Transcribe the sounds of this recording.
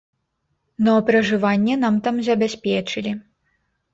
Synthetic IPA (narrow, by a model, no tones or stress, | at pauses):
nɐpɾɐʐɨvanʲːɛnamt̪amzʲɐbʲasʲpʲɛt͡ʂɨlʲi